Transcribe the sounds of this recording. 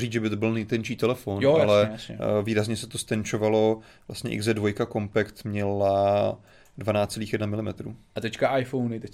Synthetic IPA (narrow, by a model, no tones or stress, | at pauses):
riːt͡sʒɛbɪt̪obɪlnɛjt̪ɛnt͡ʃiːt̪ɛlɛfonoalɛjsɲɛviːɾazɲɛsɛt̪ost̪ɛnt͡ʃovalo̞ | vlʔa̰st̪ɲɛ̰ʔɪ̰ɡzdɛdvo̞jkakompɛkt̪mɲɛla | dvanaːt͡st̪t͡ssɛliːxjɛdnamɪlɪmɛt̪ɾṵːat̪ɛckaʔajfownɪt̪ɛ